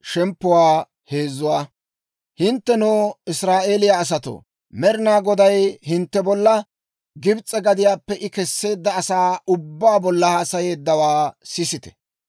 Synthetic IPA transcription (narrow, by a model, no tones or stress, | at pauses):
ʃɛmpːʊwaː | he̞ːzːʊwaː | hɪnt̪ːɛnoːɪsɾaːʔe̞ːlɪjaːs̬ɐt̪o̰ː | mɛɾɪnaːɡɔd̪ɐjhɪnt̪ːɛbɔlːɐ | ɡɪbt͡sʼːɛɡɐd̪ɪjaːpːɛʔɪkɛsːe̞ːd̪ːɐːsaːʊbːaːbɔlːɐhaːsɐje̞ːd̪ːɐwaːsɪsɪt̪ɛ̥